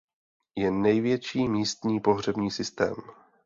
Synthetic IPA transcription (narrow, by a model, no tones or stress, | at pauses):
jɛnɛjvjɛt͡ʃiːmiːst̪ɲiːpo̞ɦr̝ɛbɲiːsɪst̪ɛ̰ːm